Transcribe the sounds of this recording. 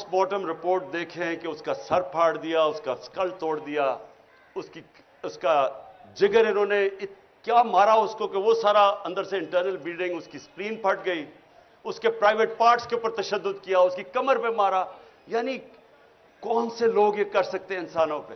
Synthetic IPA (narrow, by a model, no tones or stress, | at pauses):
ʊsmɔːʈəmɾɪpoːɾʈ̚d̪eːkʰẽkeʊskasɐɾpʰaːɽd̪ijaʊskaskɐlt̪oːɽd̪ɪjaː | ʊski | ʊskad͡ʒɪɡəɾɪnɦõːne | kjaːmaːɾaʊskokeʋosaːɾaɐ̃nd̪əɾseɪ̃ɳʈəɾnəlbiːɖɪ̃ŋɡʊskispɾiːnpʰɐʈɡɐiː | ʊskepɾaːɪʋeːʈ̚paːɾʈskeʊpəɾt̪ɐʃəd̪ːʊd̪kijaʊskikɐməɾpemaːɾaː | jaːni | kɔːnseloːɡjekɐɾsɐk̚t̪eɛ̃ɪnsaːnõpe